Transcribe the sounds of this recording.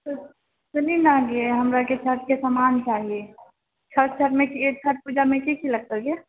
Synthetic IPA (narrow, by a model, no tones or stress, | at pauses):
t̪o | sɐninaɡeɦɐmɾaket͡ʃʰəʈ̚kesamaːnt͡ʃaːɦie | t͡ʃʰəʈ̚t͡ʃʰəʈmẽkiet͡ʃʰəʈ̚puːd͡ʒamẽkikilɐɡ̚t̪əɡe